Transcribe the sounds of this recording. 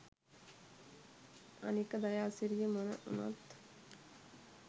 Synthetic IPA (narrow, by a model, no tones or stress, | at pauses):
a̰nikəd̪ajaːsiɾijəmonə̰ʔṵna̰t̪